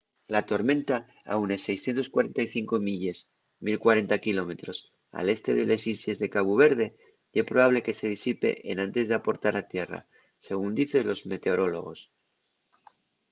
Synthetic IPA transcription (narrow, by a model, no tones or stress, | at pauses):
lat̪o̞ɾmẽ̞nt̪a | a̰une̞se̞jsθje̞nt̪o̞skwaɾe̞nt̪ajθiŋko̞miʎe̞z | milkwaɾe̞nt̪akilo̞me̞t̪ɾo̞s | a̰le̞st̪e̞ðele̞sisje̞zðe̞kaβuβ̞e̞ɾð̞e̞ | espɾoβaβle̞ke̞se̞ð̞isipe̞̰ʔenãnt̪e̞zðeapo̞ɾt̪aɾat̪je̞ra̰ | se̞ɣund̪iθe̞lo̞zme̞t̪e̞o̞ɾo̞lo̞̰ɣ̞o̞̰s